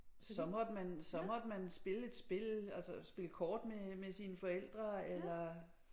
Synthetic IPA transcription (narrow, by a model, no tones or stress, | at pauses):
sɒ̽mɒ̽d̥mænsɒ̽mɒ̽d̥əmænsb̥e̝ləe̝d̥sb̥e̝lælsəsb̥e̝ləkʰɒːd̥memesinəfɒ̽el̰d̥ʁɐelɐ